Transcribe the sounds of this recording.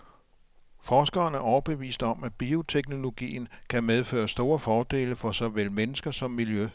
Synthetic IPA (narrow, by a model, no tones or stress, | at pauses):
fɒːsɡ̥ɐːnæɐʔɒʊɐb̥eʋḭːsd̥ɒ̽mæ̥b̥io̝t͡sʰeɡ̥no̝lo̝ɡ̥ḭːn̩kʰæmeð̞ˠfø̰ːɐsd̥o̝ːɐfɒːd̥e̝̰ːləfɒ̽sɒʋelmenəsɡ̥ɐsɒ̽mːiljø